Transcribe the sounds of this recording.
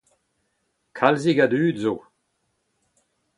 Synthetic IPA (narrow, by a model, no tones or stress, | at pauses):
kʰalziɡadyːdzo